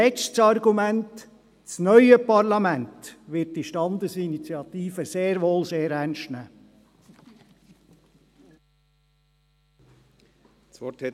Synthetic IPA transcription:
ɛt͡stsɑɾɡumænt | t͡snœʏəpɑɾlɑmæntʋɪt̚d̥iʃtɑnd̪əsinit͡sjɑt̪iːfəseːɾʋoːlseːɾænʃtnæː | sɔt

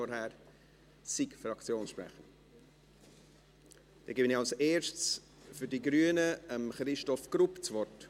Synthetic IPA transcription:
ɔɾhɛɾ | sikfɾɑkt͡sjoːnsʃprɛ̰χən | d̥ɛɡɪbənɪɑlseːɾʃts | fyɾdiɡɾyənəəmχɾɪʃtɔfɡ̥rupt͡svɔɹt

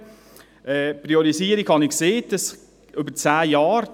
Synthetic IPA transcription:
ʔɛːpɾiɔɾisiəɾiɡhɑnɪkseːd̥ɑs | ʏbət͡saːjɑːɾ

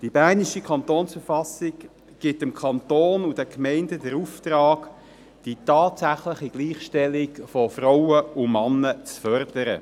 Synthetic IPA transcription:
d̥ibæniʃikʰɑntoːnsfəɾfɑsɪk | ɡ̥ɪtɪmkʰɑntoːnud̥ɛkmɛɪndədɛɾuftrɑːɡ | d̥itɑːtsæχləχiɡ̥liːχʃtɛlɪkfɔfraʊəʊmɑnːət͡sfœɾd̥əɾə̰

